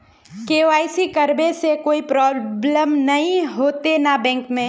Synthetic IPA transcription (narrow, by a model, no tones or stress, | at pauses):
keːoʋaːisikɐɾbesekoːipɾɔːbləmnɐɦĩɦoːt̪enabɛ̃ːŋkmẽ